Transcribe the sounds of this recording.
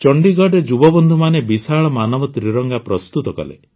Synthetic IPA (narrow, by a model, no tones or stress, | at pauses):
t͡ʃɔɳɖiɡɔɖed͡ʒubɔbɔnd̪ʱumanebisaɭɔmanɔbɔt̪ɾiɾɔŋɡapɾɔst̪ut̪ɔkɔ̰lḛ